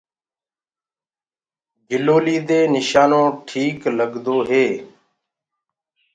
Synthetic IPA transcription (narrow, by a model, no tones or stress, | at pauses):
d͡ʒʱɪloːliːd̪eːnɪʃaːnõːʈʰiːkləɡd̪oːɦeː